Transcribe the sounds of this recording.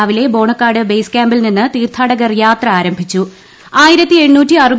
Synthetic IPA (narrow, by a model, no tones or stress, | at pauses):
ʋile̞bo̞ːɳɐkːaːɖɨbejskaːmbilninːɨt̪iːrt̪ʰaːɽɐɣɐrjaːt̪rɐaːɾɐmbʱit͡ɕːu | aːjiɾɐt̪ːie̞ɳnuːtːiɐrɨb